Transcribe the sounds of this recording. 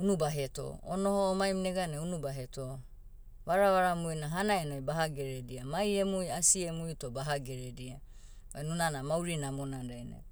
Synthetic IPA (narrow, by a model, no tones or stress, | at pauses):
unubaɦeto̰onohoːmajmneɡaneunubaɦeto | βaɾaβaɾamujnaɦanaenojbaɦaɡeɾediamajemujasiemujtobaɦaɡeɾedia | βajnunanamawɾinamonanɾajnḛ